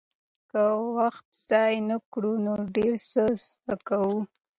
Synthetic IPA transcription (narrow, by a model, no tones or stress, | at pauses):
kəwaxt̪z̥ɑjnakɽunoɖeɾsəst̪akawu